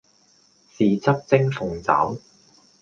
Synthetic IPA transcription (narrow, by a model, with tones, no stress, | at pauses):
siː˨t͡sɐ˥p̚t͡sɪ˥ŋfʊ˨ŋt͡sa̰ː˨˥w